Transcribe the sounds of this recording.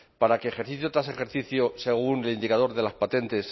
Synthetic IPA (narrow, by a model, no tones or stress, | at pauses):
paɾake̞ːxe̞ɾθiθjot̪ɾase̞xe̞ɾθiθjose̞ɣ̞unelind̪ikað̞o̞ɾðe̞laspat̪e̞nt̪e̞s